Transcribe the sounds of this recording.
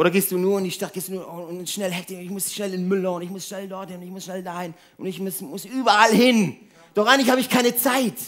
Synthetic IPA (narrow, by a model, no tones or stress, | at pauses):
ʔoːɾɐɡeːst̚d̥uːnuːɐɪndiːʃtat̚ɡ̥eːstduːnuːɐʊnnʃnɛlhɛktɪnɪçmʊsʃnɛlɪnmʏləʊntɪçmʊsʃnɛldɔɐthɪnʊntɪçmʊsʃnɛldaːhɪn | ʔʊntɪçmʊsmʊsʔyːbɐʔalhɪn | d̥ɔχaɪŋnlɪçhaːbəɪçkʰaɪnət͡saɪt